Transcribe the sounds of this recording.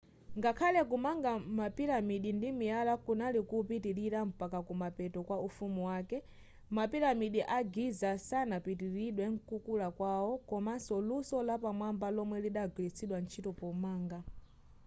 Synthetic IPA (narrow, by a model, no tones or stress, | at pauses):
ŋɡakʰalɛkumaŋɡamapiɾamiɗindimijalakunalikupitiɾiɾam̩pakakumapɛtɔkwaufumuwaːkɛ | mapiɾamiɗiʔaɡizasanapitiɾiɗwɛŋ̩kukulakwawɔkɔmansɔlusɔlapamwambalɔmwɛliɗaɡwilit͡sʰiɗwant͡ʃʰitɔpɔmaːŋɡa